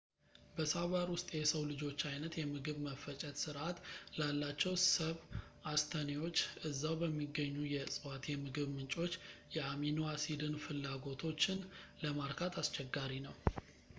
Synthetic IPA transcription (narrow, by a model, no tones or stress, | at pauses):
bəsaβaɾwʊst̪ʼjɛsəwlɨd͡ʒo̞t͡ʃːajnət̪jɛmɨɡɨβməfət͡ʃʼɛt̪sɨɾʔat̪lalːat͡ʃːɛwsəβ | ast̪ʰənewo̞t͡ʃːɨzːawbəmːiɡːəɲːujɛsʼɨwat̪jɛmɨɡɨβmɨnt͡ʃʼo̞t͡ʃːjɛaminoasid̪ɨnfɨlːaɡo̞t̪ʰo̞t͡ʃːɪnləmaɾkʰat̪ʰast͡ʃɛɡːaɾinəw